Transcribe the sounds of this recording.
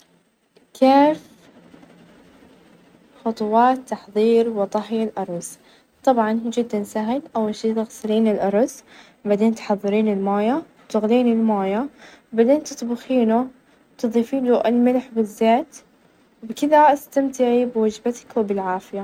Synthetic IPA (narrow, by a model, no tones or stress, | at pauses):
kʰeːf | xʊt̪ˤʊwɑːt̪ːɑħðˤiːɾwɪt̪ˤɑħjalʔɑɾˤɑs | t̪ˤɑbʕɑnhud͡ʒɪd̪ːansaɦɪlʔawːalʃeːd̪ɪɣsaliːnɪlʔɑɾˤɑs | baʕd̪eːnt̪ħɑðˤːɨɾiːnɪlmaːjawt̪ʊɣliːnɪlmaːjabad̪eːnt̪ɨt̪ˤbʊxiːnu | t̪ɨðˤiːfiːnuʔɪlmɪlħbɪzːeːt̪ | bkɪðaɪst̪amt̪ɪʕibɪwad͡ʒbat̪ḁkwɪbɪlʕaːfɪja